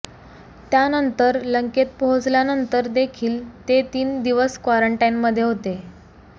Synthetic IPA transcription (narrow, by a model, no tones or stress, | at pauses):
t̪janənt̪əɾləŋket̪̚pəɦõd͡zljanənt̪əɾd̪ekʰiːlt̪et̪iːnd̪iʋəskʋaɾəɳʈajnməd̪ʱːjeɦot̪e